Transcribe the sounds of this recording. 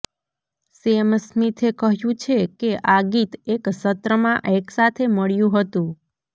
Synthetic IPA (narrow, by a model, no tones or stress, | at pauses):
siemsmit̪ʰekəɦjũt͡ʃʰekeʔaɡit̪eksət̪ɾəmãʔeksat̪ʰeməɭjũɦət̪ũ